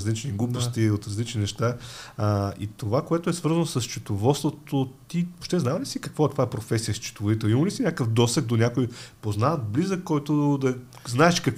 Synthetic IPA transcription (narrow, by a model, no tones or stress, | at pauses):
zlit͡ʃniɡlupost̪iot̪ɾɐzlit͡ʃninɛʃt̪a | ḭt̪ovakoɛt̪oɛsvɤɾzənosəst͡ʃut̪ovɔt̪st̪vot̪ot̪iopʃt̪ɛznavɐlisikɐkvoɛt̪ovaɛpɾofɛsijəst͡ʃi̥t̪ovod̪it̪ɛlˠimɐlisinʲakəfd̪ɔsɛɡ̚d̪onʲakojpoznaɐt̪̚blizəkkːɔjt̪od̪ɐ | znaɛʃkɐk